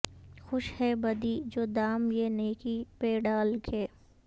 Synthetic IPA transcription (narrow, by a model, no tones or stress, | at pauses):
xʊʃhɛbɐd̪iːd͡ʒoːd̪aːmjeneːkipeɖaːlɡeː